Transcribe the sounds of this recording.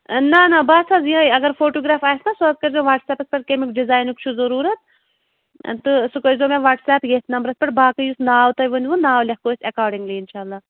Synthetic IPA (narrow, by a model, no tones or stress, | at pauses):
nɐnɐbaːsaːzjɐɡɐɾfoːʈoːɡɾaːfaːjsnɐsuɐz̚kɐɾzoʋaːʈsɛːpɐspɐʈ̚kemikɖizaːjnukt͡ʃʰuzɐɾuːɾɐt̪̚ | t̪ɨsɨkɐɾzoːmẽʋaːʈsɛːpjeːt̪nɐmbɾɐsʲpɐʈ̚baːkɐjusnaːwt̪ɐjʋɐnʲʋunaːwlʲɐhkoːsɐkaːɾɖiŋɡliːɪnʃaːlːaː